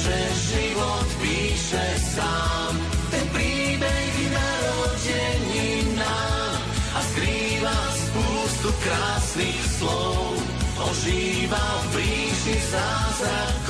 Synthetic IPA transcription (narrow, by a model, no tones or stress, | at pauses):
ʒɛ | ʒiʋɔt̪piːʃɛ | saː | m | t̪ɛnpɾiːbɛɦinaɾɔɟɛɲi | na | askɾiːʋaspuːst̪ukɾaːsnixslɔʊ | ʔɔʒiː | ʋafbɾiːʃizaːzɾak